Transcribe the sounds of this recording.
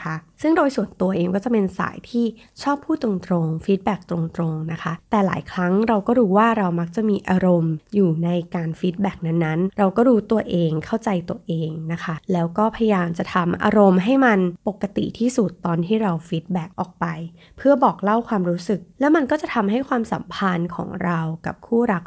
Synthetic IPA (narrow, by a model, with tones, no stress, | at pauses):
a˦˥sɯ˥˩ŋdoː˧jsu˨˩ənt̪u˧ɐʔeː˧ŋkɔː˥˩t͡ɕa˨˩pe˧nsa̰ː˩˦jt̪ʰiː˥˩ | t͡ɕʰɔː˥˩pʰːuː˥˩t̪ɾo˧ŋt̪ɾo˧ŋfiː˦˥t̪̚bɛː˨˩k̚t̪ɾo˧ŋt̪ɾo˧ŋna˦˥kʰa˦˥t̪ɛː˨˩la̰ː˩˦jkʰɾa˦˥ŋɾa˧wkɔː˥˩ɾuː˧waː˥˩ɾa˧wma˦˥k̚t͡ɕa˨˩miː˧ʔaː˧ɾo˧mjuː˨˩na˧jkaː˧nfiː˦˥t̪̚bɛː˨˩k̚na˦˥nːa˦˥nɾa˧wkɔː˥˩ɾuː˦˥t̪u˧ɐʔeː˧ŋkʰa˥˩wt͡ɕa˧jt̪u˧ɐʔeː˧ŋna˦˥kʰa˦˥lɛː˦˥wkɔː˥˩pʰa˧ja˧jaː˧mt͡ɕa˨˩t̪ʰa˧mʔa̰ː˧ɾo˧mɦa˥˩jma˧npo˨˩kːa˧t̪ḭ˨˩t̪ʰiː˥˩su˨˩t̪ːɔː˧nt̪ʰiː˥˩ɾa˧wfiː˦˥t̪̚bɛː˨˩k̚ʔɔː˨˩k̚pa˧j | pʰɯ˥˩ɐbɔː˨˩k̚la˥˩wkʰwaː˧mɾuː˦˥sɯ˨˩k̚lɛː˦˥wma˧nkɔː˥˩t͡ɕa˨˩t̪ʰa˧mɦa˥˩jkʰwaː˧msa̰˨˩˦mpʰa˧nkʰɔ̰ː˩˦ŋɾa˧wka˨˩p̚kʰuː˥˩ɾa˦˥k̚